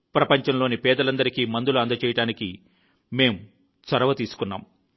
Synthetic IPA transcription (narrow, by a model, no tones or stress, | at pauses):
pɾɐpɐɲt͡ʃɐmlo̞ːnipɛːd̪ɐlɐnd̪ɐɾikiːmɐnd̪uluɐnd̪ɐt͡ʃɛːjɐʈaːniki | me̞ːm | sɐɾɐʋɐt̪iːsu̥kunːa̰ːm